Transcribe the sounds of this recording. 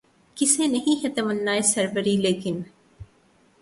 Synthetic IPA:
kɪseːnɐɦĩɦɐt̪ɐmɐnːaːesɐɾbəɾileːkɪn

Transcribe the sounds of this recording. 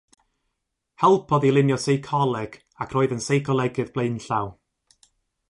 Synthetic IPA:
hɛlˠpʰɔðilˠɪnjɔsejkʰɔlˠɛɡ̥ | akʰroːɨðənsejkʰɔlˠɛɡɨðb̥lˠejnɬaw

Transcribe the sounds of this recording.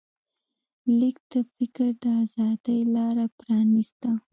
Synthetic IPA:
lik̚d̪̥əfɪkəɾd̪əazɑd̪əjlɑɾapɾɑnist̪a

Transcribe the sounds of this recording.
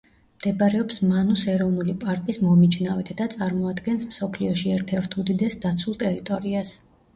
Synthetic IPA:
md̪̥ɛbaɾɛɔpsmanusɛɾɔvnulipʼaɾk̪ʼismɔmit͡ʃʰnavɛt̪ʰd̪̥at̪sʼaɾmɔad̪ɡɛnsmsɔpʰliɔʃiɛɾt̪ʰɛɾt̪ʰud̪id̪ɛsd̪at̪sʰulˠt̪ʼɛɾit̪ʼɔɾias

